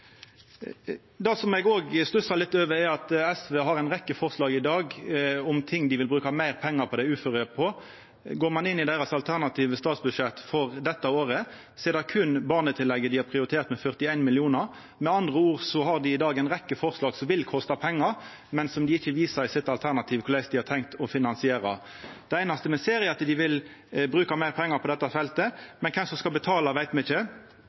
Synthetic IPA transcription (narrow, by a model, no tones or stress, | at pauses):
d̪ɑsɔmɛɡoːɡslʉsɑlɪt̪ːøːʋəɛɑt̪ɛsʋeːɦɑʁæɪnʁɛkːəfɔʁslɑːɡɪd̪ɑːɡɔmt̪ʰɪŋːd̪ɪʋɪlbɾʉːkɑmæɪʁpʰɛŋːɑʁpʰɔd̪ɛʉːføʁɪəpʰɔ | ɡoːʁmɑnɪnːɪd̪æɪɾɑsɑlt̪ʰæʁnɑt̪ʰiːʋəst̪ɑːt̪sbʉʂɛt̪ːfɔʁd̪ɛt̪ːəoːʁə | seːʁd̪ɑkʰʉnbɑʁnət̪ʰɪlːɛɡːəd̪ɪhɑpʰʁɪʊɾɪt̪ʰeːʁt̪mɛfœʁt̪ɪæɪnmɪlɪuːnəʁ | mɛɑnd̪ʁəuːʁsɔhɑʁd̪ɪɪd̪ɑːɡæɪnʁɛkːəfɔʁslɑːɡsɔmʋɪlkʰɔst̪ɑpʰɛŋːɑʁ | mɛnsɔmd̪ɪɪçːəʋiːsəsɪt̪ɑlt̪ʰæʁnɑt̪ʰiːʋkʰʊɾlæɪsd̪ɪhɑt̪ʰɛŋk̚t̪ɔfɪnɑnsɪeːɾɑ | d̪̥ɛæɪnɑst̪əmɛseːɾɪɑt̪d̪ɪʋɪl | bɾʉːkɑmæɪʁpʰɛŋːɑpʰɔd̪ɛt̪ːɑfɛlt̪əmɛnkʰɛmsɔmskɑlbət̪ʰɑːlɑʋæɪt̪mɛɪçə